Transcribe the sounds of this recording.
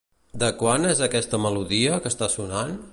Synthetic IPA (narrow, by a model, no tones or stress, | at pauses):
d̪əkwanezəkɛst̪əməluðiəkəst̪asunan